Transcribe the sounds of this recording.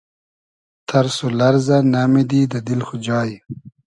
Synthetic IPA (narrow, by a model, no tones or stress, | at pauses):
t̪ʰɐɾsolɐɾzanamid̪iːd̪əd̪ilxʊd͡ʒɑːj